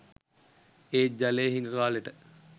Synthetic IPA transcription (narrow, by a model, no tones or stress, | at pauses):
eːd͡ʒaleːɦinəɾaːleʈə